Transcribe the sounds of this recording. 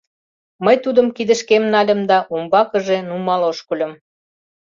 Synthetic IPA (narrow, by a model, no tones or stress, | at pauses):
məjt̪ud̪ə̆mkid̪ə̆ʃkemnɑlʲə̆md̪ɑʔumbɑkə̆ʒenumɑloʃkulʲə̆m